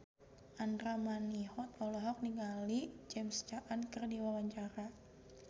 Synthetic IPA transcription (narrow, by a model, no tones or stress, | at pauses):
ʔandɾamanihɔt̪̚ɔlaɦɔk̚niŋɡalid͡ʒɛmst͡ʃaʔankərdiwawaɲt͡ʃaɾa